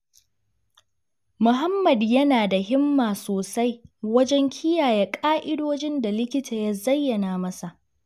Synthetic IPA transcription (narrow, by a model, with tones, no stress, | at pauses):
mʊ˨ɦa˦mːɐ˨djɐ˦naː˨da˨ɦɪ˦mːaː˨soː˨sa˦jwɐ˦d͡ʒɛ˦ŋkʲʰɪ˦jaː˨ja˦kʼaː˦ʔɪ˦doː˦d͡ʒɪ˦nda˨lɪ˦kʲɪ˦tʰaː˨ja˦zɐ˦jːɐ˨naː˨mɐ˦sa˨ʔ